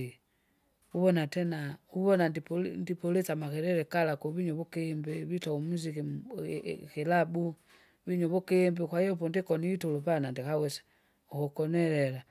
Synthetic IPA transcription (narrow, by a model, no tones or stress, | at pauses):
i | uβɔnatɛnauβɔnandipndipɔlɛsamakɛɾɛɾɛkalakɔβiɲɔβɔkɛmbɛβitɔumuziki | kɛlabu | βiɲɔβɔkɛmbɛkwaijɔpɔndikɔniitɔlɔpanandikawɛsḁ | ɔkɔkɔnɛɾɛɾa